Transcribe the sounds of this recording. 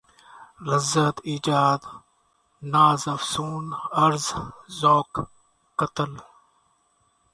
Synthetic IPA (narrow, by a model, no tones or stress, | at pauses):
lɐzət̪iːd͡ʒaːd̪ | naːzɐfsuːnɐɾzzoːkː | ɐt̪əl